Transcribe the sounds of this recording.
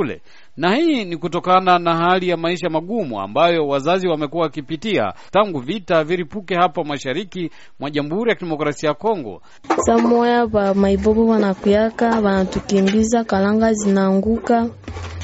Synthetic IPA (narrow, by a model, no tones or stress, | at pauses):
lɛ̰ | nahiːnikutɔkananahalijamaiʃamaɠumṵa̰mbajɔwazaziwamɛkuwawakipitia̰taŋɡuvitaviɾipukɛhapamwaʃaɾiki | mwaʄamuhuɾijakiɗɛmɔkɾasiajakɔŋɡɔ̰ | samɔjaβamaibɔbɔwanakijakaβanatukimbizakalaŋɡazinaːŋɡuka